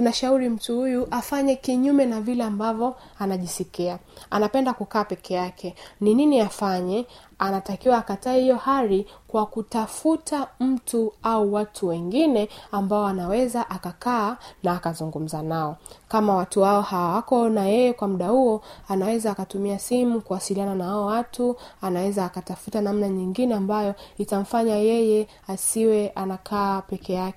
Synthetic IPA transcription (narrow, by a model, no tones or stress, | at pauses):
tunaʃauɾim̩tuhujuʔafaɲɛkiɲumɛnavilɛambavjɔ | anaʄisikiaanapɛndakukaːpɛkʰɛjakʰɛnininiafaɲɛ | anatakiwaːkataːhijɔhaɾikwakutafutʰam̩tuauwatʰuwɛŋɡinɛambaɔanawɛzaʔakakaːnaːkazuŋɡum̩zanaɔkamawatuwaɔhawawakɔnajɛjɛkwamuɗahuɔanawɛzaːkatumiasimukuwasiliananahaɔwatuanawɛzaːkatafutanamnaɲiŋɡinɛambajɔitam̩faɲajɛjɛ | asiwɛʔanakʰaːpɛkɛjakɛ